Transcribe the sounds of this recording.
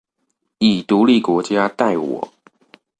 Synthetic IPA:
i˨˩t̪u˧˥˦li˥˩kwɔ˧˥t͡ɕja˦t̪a˥˩ɪwɔ̰˨˩˦

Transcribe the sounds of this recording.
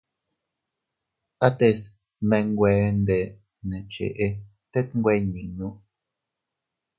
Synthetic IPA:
ʔa˦t̪e˧s | mẽ˧ŋɡʷe˧nd̪e˨ | nẽ˨t͡ʃḛ˨ʔe˧ | t̪e˦t̪̚ŋ˦ɡʷwe˧ɲĩ˨nũ˦ʔ

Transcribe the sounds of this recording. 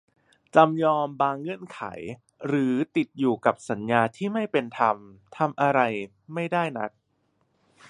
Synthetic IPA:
t͡ɕa˧mjɔː˧mbaː˧ŋːɤ˧˥˩ənkʰa̰˩˦j | ɾɯː˩˦t̪i˨˩t̪̚juː˨˩ka˨˩p̚sa˩˦njaː˧t̪ʰiː˥˩ma˥˩jpe˧nt̪ʰa˧mt̪ʰa˧mʔa˧ɾa˧j | ma˥˩jdaː˥˩jna̰˦˥k̚

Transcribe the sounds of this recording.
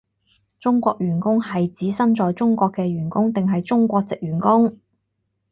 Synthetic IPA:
t͡sʊ˥ŋkʷɔː˧k̚jyː˨˩nkʊ˥ŋhɐ˨jt͡siː˨˥sɐ˥nt͡ʃɔː˨jt͡sʊ˥ŋkʷɔː˧kːɛː˧ɥyː˨˩nkʊ˥ŋt̪ɪ˨ŋɦɐ˨jt͡sʊ˥ŋkʷɔː˧k̚t͡sɪ˨k̚jyː˨˩nkʊ˥ŋ

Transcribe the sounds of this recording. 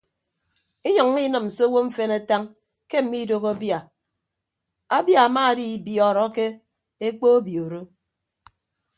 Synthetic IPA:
i˦ɲɔ˨ŋː˦i˦nɨ˨m̩˨so˦wo˦ɱ̩˦fe˦na˨ta˦ŋ | ke˦m̩˨mi˦do˦ɣo˦bja˨ | a˦bja˨a˨ma˦˨di˦bjɔ˨ɾɔ˨˦ke˦ | e˦k͡po˦o˦bjo˨ɾo˦

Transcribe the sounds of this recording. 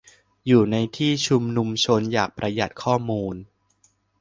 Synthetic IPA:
juː˨˩na˧jt̪ʰiː˥˩t͡ɕʰu˧mnu˧mt͡ɕʰo˧njaː˨˩k̚pɾa˧ja̰˨˩t̪̚kʰɔː˥˩muː˧n

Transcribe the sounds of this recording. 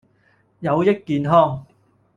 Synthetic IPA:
jɐ˨˧wjɪ˥k̚kːiː˨nɦɔː˥ŋ

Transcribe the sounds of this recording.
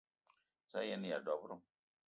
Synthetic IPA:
sa˦e˦ni˦˨ja˨da˨bu˦ɾu˦˨

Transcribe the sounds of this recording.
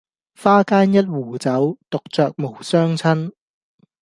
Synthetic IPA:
faː˥kaː˥njɐ˥t̚wuː˨˩t͡sɐ˨˥wt̪o˨k̚t͡sœː˨k̚mo˨˩wsœː˥ŋt͡sʰɐ˥n

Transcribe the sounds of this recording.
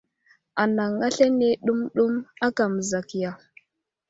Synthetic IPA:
a˨na˨ŋa˦ɬe˦ne˦ɗu˦mɗu˦ma˦ka˨mə˨za˨kja˨

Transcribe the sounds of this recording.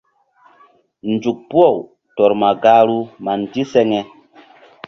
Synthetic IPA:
n˨d͡ʒu˨k̚pu˦ɔ˦˨w | tɔ˨ɾma˨ɡa˦ɾu˦ma˨n˨ti˦sɛ˦ŋɛ˨

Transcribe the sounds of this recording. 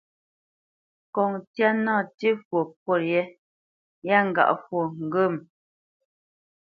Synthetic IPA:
kɔ˨ŋtja˦nɔ̃ː˦˨ti˦fwo˨pwo˦˨ɾjɛ˦ | ja˦ŋ̩˨ɡa̰˨ʔfwo˨ŋ̩˨ɡə˦˨m

